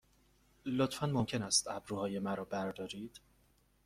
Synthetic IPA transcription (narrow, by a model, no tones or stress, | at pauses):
lot̪fænmomcʲʰe̞næst̪æbɾuːhɒːje̞mæɾɒːbæɾd̪ɒːɾiːd̪̥